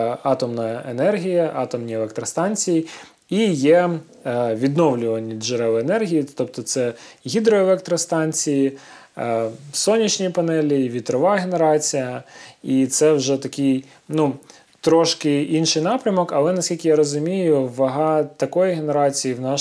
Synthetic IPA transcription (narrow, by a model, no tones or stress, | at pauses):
ɑt̪ɔmnɐɐenɛrɦʲijɐʔɑt̪ɔmnʲielˠɛk̚t̪ɾɐst̪ɑnʲt͡sʲiji | ijɛ | ʋʲid̪nɔwlʲʊʋɐnʲːiʒeɾɛʋɪenɛrɦʲijit̪ɔp̚t̪ɔt̪sɛɦʲid̪ɾɔelˠɛk̚t̪ɾɐst̪ɑnʲt͡sʲiji | sɔnʲːit͡ʃʲnʲijpɐnɛlʲiʋʲit̪ɾɔʋɑɦeneɾɑt͡sʲijɐit̪sɛwʒɛt̪ɐkʲɪj | nu | t̪ɾɔʃkɪinʃɪjnɑpɾʲɐmɔkɐlˠɛnɐsʲkʲilʲkʲɪjaɾɔzʊmʲijʊʋɐɦɑt̪ɐkɔjiɦeneɾɑt͡sʲijiwnɑ